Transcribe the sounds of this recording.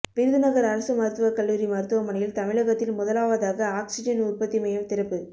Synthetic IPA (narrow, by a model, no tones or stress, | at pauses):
pɪɾɯðɯnɐɣɐɾɐɾɐsɯmɐɾɯt̪ːɯʋɐkɐlːuːɾimɐɾɯt̪ːɯʋɐmɐɳɐjɪlt̪ɐmɪɻɐɣɐt̪ːɪlmʊðɐlaːʋɐðaːɣɐaːksɪd͡ʒɐnʊrpɐt̪ːimɐjɐmt̪ɪɾɐpːɯ